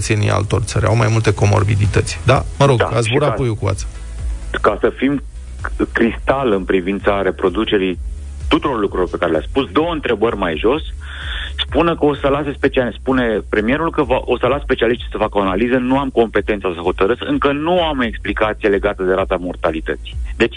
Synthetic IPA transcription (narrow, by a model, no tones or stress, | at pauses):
t̪senḭa̰lt̪o̞̰rʲt̪sə̰ɾʲa̰wmajmult̪e̞ko̞mo̞̰rbid̪it̪ət̪sʲd̪a̰məɾo̞ɡa̰a̰sbuɾapojukua̰t̪sə̥ | kasəfim | kɾist̪alɨnpɾivint̪saɾe̞pɾo̞d̪ut͡ʃe̞ɾi | t̪ut̪uɾo̞rlukɾuilo̞rpe̞kaɾe̞lʲea̰spusd̪o̞wəɨnt̪ɾe̞bərʲmajʒo̞s | spunəkəo̞səlase̞spe̞t͡ʃiaspune̞pɾe̞mije̞ɾulkəvaʔo̞səlasspe̞t͡ʃialiʃt̪isəfakəoanalizənuamko̞mpe̞t̪e̞nt̪sasəxo̞t̪əɾɨt̪sɨŋkənuame̞ksplikat̪sijele̞ɡat̪əd̪e̞ɾat̪amo̞rt̪alit̪ə̰t̪si̥d̪e̞t͡ʃ